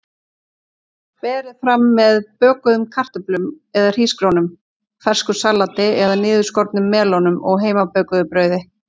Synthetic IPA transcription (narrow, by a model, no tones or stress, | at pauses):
pɛːɾɪðfɾamːɛðpœːkʏðʏmkʰar̥t̪ʏplʏm | ɛðar̥iːskɾownʏm | fɛr̥skʏsalːat̪ɪɛðanɪːðʏ̥skɔɾt̪nʏmːɛːlownʏmɔɣɦeːjmapœːkʏðʏpɾœːɥðɪ